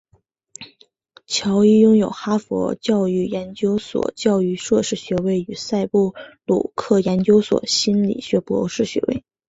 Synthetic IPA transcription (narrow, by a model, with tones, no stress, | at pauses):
t͡ɕʰjɑ˧˥ʊi˥jʊ˥ŋjo˨˩ʊxa˥fwɔ̰˧˥t͡ɕjɑ˥˧ʊy˥˩jɛ˧˥nt͡ɕjo˥ʊswɔ̰˨˩˦t͡ɕjɑ˥˧ʊy˥˧ʂwɤ˥˧ʂɻ̩˥˩ɕɥɛ˧˥we˥˩ɪy˨˩sa˥˧ɪpu˥˩lṵ˨˩kʰɤ˥˩jɛ˧˥nt͡ɕjo˥ʊswɔ̰˨˩ɕi˥nlḭ˨˩ɕɥɛ˧˥pwɔ̰˧˥ʂɻ̩˥˩ɕɥɛ̰˧˥wḛ˥˩ɪ